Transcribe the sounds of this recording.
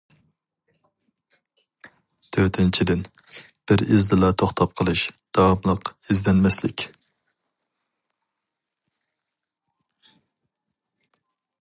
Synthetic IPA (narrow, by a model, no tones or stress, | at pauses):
t̪ʰøɾt̪ʰɪnt͡ʃʰid̪ɪn | b̥ɪɾɪzd̪ɨlˠɑt̪ʰoχt̪ʰɑp̚qʰəlˠɨʃd̪̥ɑwɑmlˠəqizd̪ɛnmɛslɪ̰kʲ